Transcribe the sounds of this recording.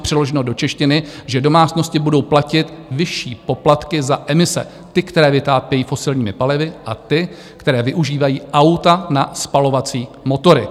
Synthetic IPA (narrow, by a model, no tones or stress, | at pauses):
pr̝̥ɪloʒɛnodo̞t͡ʃɛʃcɪnɪʒɛdo̞maːt͡sno̞scɪbudo̞wplacɪt̪vɪʃiːpo̞plat̪kɪzaʔɛmɪsɛ̰ | t̪ɪkt̪ɛɾɛːvɪt̪aːpjɛjiːfo̞sɪlɲiːmɪpalɪvɪʔat̪ɪ | kt̪ɛɾɛːvɪʔuʒiːvajiːʔawt̪anaspalo̞vat͡siːmo̞t̪o̞ɾɪ